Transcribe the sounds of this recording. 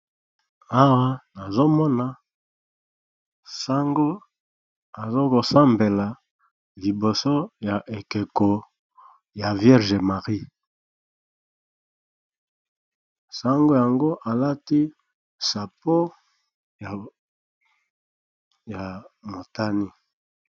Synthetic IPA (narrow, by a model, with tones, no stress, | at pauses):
a˦wa˦na˨zo˦mɔ˦na˨ | sa˦ŋɡo˦ | a˨zo˦ko˨sa˦mbe˨la˨ | li˨bo˨so˦ja˨ʔe˨ke˨ko˨ | ja˨vjɛ˦ʁʒe˨ma˨ʁi˦ | sa˦ŋɡo˦ja˨ŋɡo˦ʔa˨la˦ti˦ | sa˨po˦ | ja˨ | ja˨mo˨ta˦ni˦